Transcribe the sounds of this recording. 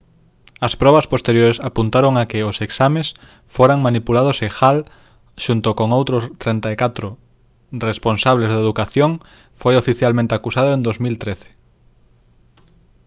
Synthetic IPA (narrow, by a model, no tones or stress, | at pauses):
ɐspɾɔβɐspost̪eɾjoɾesapunt̪aɾoŋakɪoseksames | foɾaŋmanipulað̞osexal | ʃunt̪okoŋowt̪ɾʊst̪ɾent̪aekat̪ɾo | responsaβlezðeðukaθjoŋ | fojofiθjalmẽnt̪eakusaðoẽnd̪ozmilt̪ɾeθe̥